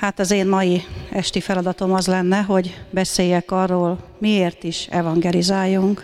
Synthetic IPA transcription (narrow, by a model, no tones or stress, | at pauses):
hat̪ɒzeːmmɒjiɛʃt̪ifɛlɒd̪ɒt̪o̞mɒzlɛnːɛɦo̞ɟbɛseːjɛkɒrːoːlmieːrt̪iʃɛvɒŋɡɛlizaːjːuŋk